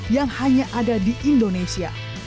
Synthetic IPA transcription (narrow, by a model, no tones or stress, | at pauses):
jaŋhaɲaʔadadiʔindonesia̰